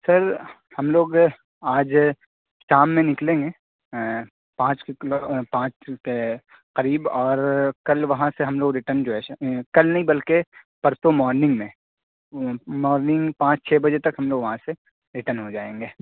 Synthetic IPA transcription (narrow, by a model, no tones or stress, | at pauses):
sɐɾ | hɐmloːɡ | aːd͡ʒ | ʃaːmːẽnɪklẽːŋɡeː | pãːt͡ʃklopãːt͡ʃke | qɐɾiːbɔːɾkɐlʋɐɦãseɦɐmloːɡɾɪʈəɾnd͡ʒoɛkɐlnɐɦĩbɐlkepɐɾt̪omɔːɾnɪ̃ŋɡmẽ | mɔːɾnɪ̃ŋɡpãːt͡ʃt͡ʃʰɛːbɐd͡ʒet̪ɐkɦɐmloːɡʋɐɦãse | ɾɪʈəɾnɦod͡ʒaːẽːŋɡeː